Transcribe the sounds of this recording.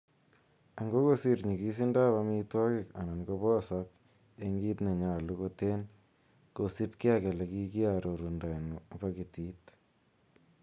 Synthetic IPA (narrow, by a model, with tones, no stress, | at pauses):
a˨ŋɡo˦ko˦si˦ɾɲi˨ki˦s̬i˦nda˦βa˦mi˦twɔ˦kɪ˦˨ka˨na˨nko˦bɔ˦˨sa˦k̚ | e˦ŋɡi˦t̪ne˨ɲa˨lu˦ko˦te˦n | ko˨si˦pkɪ˦a˦ke˨lɛ˨ki˦ki˦a˨ɾo˨ɾu˨nda˨nu˨ba˦ki˨ti˦t̪